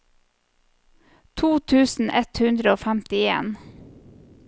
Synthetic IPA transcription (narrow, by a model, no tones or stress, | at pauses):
t̪ʰuːt̪ʰʉːsn̩ʔɛt̪hʉnd̪ɾəoːfæmt̪ɪḛːn